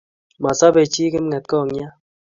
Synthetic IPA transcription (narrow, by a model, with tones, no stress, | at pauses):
ma˨sa˦be˨t͡ʃiː˦ke˦m̩˦ŋɛ˨t̚kɔ˦˨ŋ˦a˦